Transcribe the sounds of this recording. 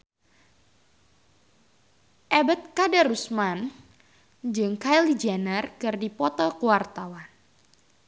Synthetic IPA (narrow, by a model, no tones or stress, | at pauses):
ʔɛbət̪̚kadaɾusman | d͡ʒɨŋkajlid͡ʒɛnərkɨrdipɔt̪ɔkuwart̪awan